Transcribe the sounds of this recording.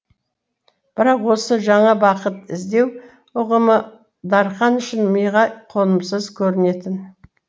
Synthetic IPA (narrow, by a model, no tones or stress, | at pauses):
b̥ɪɾɑqwo̞səʒɑɴɑbɑqət̪ɪzd̪e̞w | ʊʁəmə | d̪ɑɾχɑnʏʃɪnməjʁɑjqʰo̞nəmsəzkʲʰɵɾɪne̞t̪ɪn